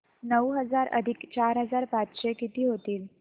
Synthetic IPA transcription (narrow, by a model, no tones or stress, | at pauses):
nəwɦəd͡zaɾə̰d̪ʱikt͡ɕaɾɦəd͡zaɾpat͡sɕekit̪iːɦot̪iːl